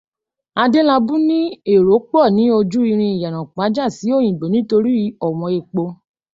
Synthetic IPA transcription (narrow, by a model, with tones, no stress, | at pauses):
a˧de˦la˧bũ˦nĩ˦e˦˨ɾo˨˦k͡pɔ˦˨nĩ˨˦o˧d͡ʒu˦ɾi˧ɾ̃ĩ˧i˨ja˨nã˨k͡pa˨˦d͡ʒa˦˨si˨˦o˦˨j̃ĩ˨ɡ͡be˨nĩ˨˦to˧ɾi˦ɔ˦˨w̃ɔ̃˧e˧k͡po˧